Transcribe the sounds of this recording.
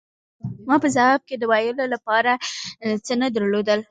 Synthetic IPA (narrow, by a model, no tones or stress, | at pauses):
mɑpəzawɑb̚ked̪əwajəlolapɑɾat͡sənad̪əɾlod̪əl